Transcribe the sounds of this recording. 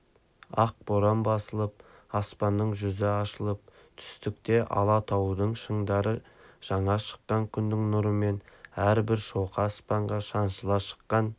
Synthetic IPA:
ɑq̚b̥oɾɑmbɑsəlˠəp̚ɑspɑnːəɴʒʏzɪɑʃəlˠəp̚ | t̪ʰʏ̥st̪ɪk̚t̪e̞ʔɑ̰lˠɑt̪ʰɑwəd̪əɴʃəɴd̪ɑɾəʒ̥ɑɴɑʃə̥qːɑŋkʲʰʏnd̪ɪŋnʊɾəme̞næɾbɪɾso̞wqɑspɑɴʁɑʃɑnʃəlˠɑʃə̥qːɑn

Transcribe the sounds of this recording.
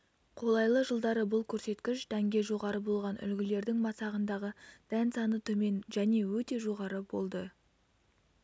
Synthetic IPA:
qʰo̞lˠɑjlˠəʒəlˠd̪ɑɾəbʊlˠkʲʰɵɾse̞t̪kʲɪʃd̪̥æŋɡʲe̞ʒo̞ʁɑɾəbo̞lˠʁɑnʔʏ̰lɡʲɪle̞ɾd̪ɪŋmɑsɑʁənd̪ɑʁəd̪̥ænsɑnət̪ʰɵme̞nʒæne̞wɵt̪e̞ʒo̞ʁɑɾəbo̞lˠd̪ə

